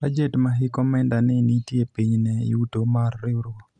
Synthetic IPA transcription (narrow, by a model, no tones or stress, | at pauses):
bad͡ʒetmaɦɪkɔmɛndanɪnitjepiɲnɛ̰utomarːɪɾo